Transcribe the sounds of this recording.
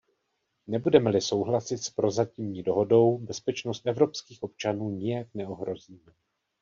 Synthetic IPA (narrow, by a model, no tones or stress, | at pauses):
nɛbudɛmɛlɪso̞wɦlasɪt̪spɾo̞zacimɲiːdo̞ɦo̞do̞wbɛspɛt͡ʃno̞st̪ʔɛvɾo̞pskiːxʔo̞p̚t͡ʃanuːɲɪjaknɛoɦɾo̞ziːmɛ